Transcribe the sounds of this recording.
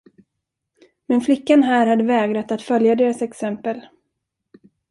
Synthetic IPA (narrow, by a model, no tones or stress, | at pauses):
mɛnflɪkːanɦæːɾhad̪ːəvɛːɡɾat̪at̪fœljad̪eːɾasɛksɛmpəl